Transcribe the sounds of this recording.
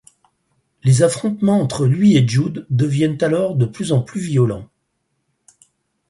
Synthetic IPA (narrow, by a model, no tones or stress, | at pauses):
lezafχɔ̃t̪mɑ̃ɑ̃t̪χəlɥieʒud̪ːəvjɛnt̪alɔʁd̪əplyzɑ̃plyvijɔlɑ̃